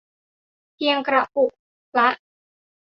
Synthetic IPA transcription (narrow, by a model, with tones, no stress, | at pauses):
pʰi˧əŋkɾa˨˩ʔu˨˩ʔ | la˦˥ʔ